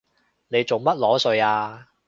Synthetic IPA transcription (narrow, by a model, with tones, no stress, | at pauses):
ne˨˧jt͡so˨ŋmɐ˥t̚lɔː˨˥sɵ˨˧ɥaː˧